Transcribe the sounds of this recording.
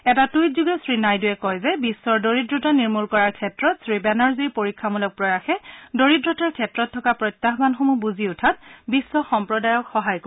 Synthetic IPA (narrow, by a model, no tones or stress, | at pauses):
ɛtatujtzuɡɛsɹinajduɛkɔjzɛbisːɔɹdoɹidɹɔtaniɹmulkɔɹaɹkʰɛtɹɔtsɹibɛnaɹziɹpoɹikʰːamulɔk̚pɹɔjaxɛdoɹidɹɔtaɹkʰɛtɹɔtʰːɔkapɹɔjtːaɦbanxomubuziʊtʰat̚bisːɔxɔmpɹɔdajɔkxɔɦajko